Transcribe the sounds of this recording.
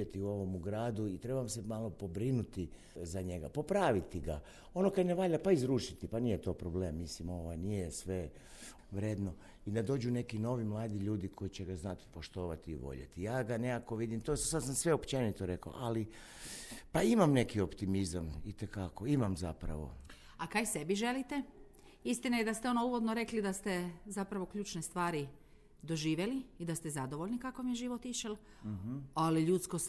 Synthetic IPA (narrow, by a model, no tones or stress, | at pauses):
et̪iuo̞ʋo̞muɡɾaːd̪uit̪ɾe̞baamse̞malˠo̞po̞bɾinut̪i | zaɲe̞ɡapo̞pɾaːʋit̪iɡa | o̞nokad̪neʋaːʎapaizɾuʃit̪ipanijet̪o̞ːpɾo̞ble̞ːmːislimo̞ʋajnijesʋe̞ | ʋɾeːd̪no̞ | id̪ad̪o̞ːd͡ʑune̞kino̞ʋimlˠaːd̪iʎuːd̪ikʰo̞it͡ɕeɡaznat̪i̥po̞ʃt̪o̞ːʋat̪iːʋo̞̰ʎḛt̪ijaːɡanekako̞ʋid̪imt̪ossad̪samsʋeopt͡ʃe̞nit̪oɾe̞ko̰ʔali | paimamne̞kio̞pt̪imizamit̪ekako̞imamzapɾa̰ʋo̞̰ | akajse̞biʒe̞lit̪e̞ | ist̪inajed̪ast̪eo̞nouʋo̞d̪noɾe̞klid̪ast̪e̞zapɾaʋo̞kʎʲuːt͡ʃnest̪ʋaːɾi | d̪o̞ʒiːʋe̞liːd̪ast̪ezad̪o̞ʋo̞ʎnikako̞mijeʒiʋo̞t̪iʃel | aliʎuːt̪skos